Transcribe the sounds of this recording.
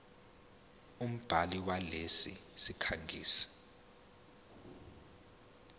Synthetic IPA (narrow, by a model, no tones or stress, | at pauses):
um̩b̥ʱaliwalesḭsikʰaŋɡʱiːsḁ